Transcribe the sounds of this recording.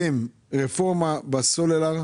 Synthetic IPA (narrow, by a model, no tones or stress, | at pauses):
em | ʁefɔʁmabasolela